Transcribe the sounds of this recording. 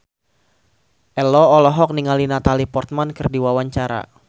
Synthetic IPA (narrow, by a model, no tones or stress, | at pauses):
ʔɛlɔːlɔɦɔk̚niŋalinat̪alipɔrt̪̚mankɨrdiwawaɲt͡ʃaɾa̰